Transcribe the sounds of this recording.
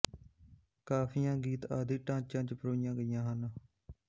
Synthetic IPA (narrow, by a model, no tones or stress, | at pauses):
kaːpʰiːjãːɡiːt̪aːd̪iːʈãːt͡ʃãːt͡ʃpɾoːijãːɡəijãːɦən